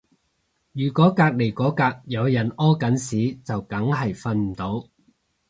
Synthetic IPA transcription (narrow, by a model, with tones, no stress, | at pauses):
jyː˨˩kɔː˨˥kaː˧k̚le˨˩jkɔː˨˥kaː˧k̚jɐ˨˧wjɐ˨˩nɔː˥kɐ˨˥nsiː˨˥t͡sɐ˨wkɐ˨˥ŋɦɐ˨˩jfɐ˧nm̩˨˩t̪o˨˥w